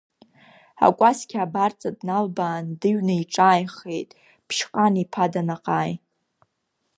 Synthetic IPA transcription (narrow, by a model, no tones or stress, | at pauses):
a̰kʷʼaskʲʰabart͡sʼadnalbaːndɨɥnɨiʈ͡ʂʼaːjχejtʼ | pʰʃqʼanipʰadanaqʼaːj